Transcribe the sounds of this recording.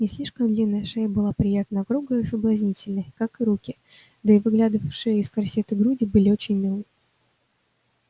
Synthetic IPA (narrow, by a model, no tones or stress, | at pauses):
nʲɪsʲlʲiʂkəmd̪lʲinːəjəʂejəbɨlˠapɾʲɪjat̪nəɐkɾuɡəɪsəblˠɐzʲnʲitʲɪlʲnəjkakɨɾukʲɪ | d̪əɪvɨɡlʲad̪ɨvəfʂɨjəɪskɐrsʲet̪ɨɡɾudʲɪbɨlʲɪot͡ɕɪnʲmʲɪlˠɨ